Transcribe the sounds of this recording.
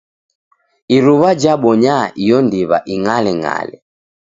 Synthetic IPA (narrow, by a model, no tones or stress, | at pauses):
iɾuβad͡ʒaɓɔɲaʔijɔndiβa̰ʔiŋalɛŋa̰lɛ̰